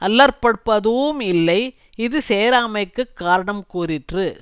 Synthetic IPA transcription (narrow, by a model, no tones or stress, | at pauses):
ʔɐlːɐɾpɐɽpːɐðɯːmɪlːɐɪ | ɪðɯseːɾaːmɐɪkːɯkːaːɾɐɳɐmkuːɾɪʈrɯ